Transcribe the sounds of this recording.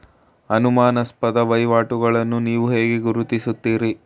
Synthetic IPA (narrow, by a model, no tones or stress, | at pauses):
ɐnumaːnɐspɐd̪ɐʋɐjʋaːʈuɡɐɭɐnːuniːʋuɦe̞ːɡeɡuɾut̪isut̪ːiːɾi